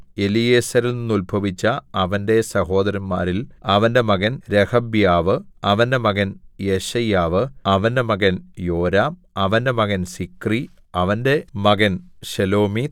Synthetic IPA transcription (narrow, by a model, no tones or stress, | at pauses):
elijeːsɐɾilninːulbʱɐʋit͡ɕːɐːʋɐnde̞sɐho̞ːd̪ɐɾɐnmaːɾilɐʋɐnde̞mɐɣɐnɾehɐbjaːʋɨɐʋɐnde̞mɐɣɐnjeɕɐjaːʋɨɐʋɐnde̞mɐɣɐnjo̞ːɾaːm | ɐʋɐnde̞mɐɣɐnsikri | ɐʋɐnde̞mɐɣɐnɕɐlo̞ːmi